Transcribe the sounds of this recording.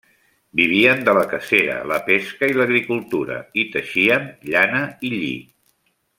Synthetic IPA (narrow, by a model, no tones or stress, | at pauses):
biβ̞iənd̪ələkəseɾə̰ləpeskəiləɣɾikulˠt̪uɾə̰it̪əʃiəmʎanəiʎḭ